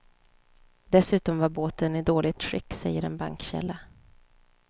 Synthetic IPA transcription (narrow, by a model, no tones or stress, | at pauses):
d̪̥ɛsʉ̟ːt̪ɔmvaɾboːt̪ənɪd̪oːlʔɪt̪ʂʏkːsɛjːəɾɛnba̰ŋkɕɛ̰lːa